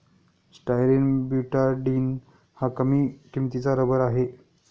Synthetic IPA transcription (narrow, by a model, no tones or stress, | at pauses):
sʈajɾinbjuʈaɾɖiːn | hakəmiːʈʰimt̪it͡saɾəbəɾaɦe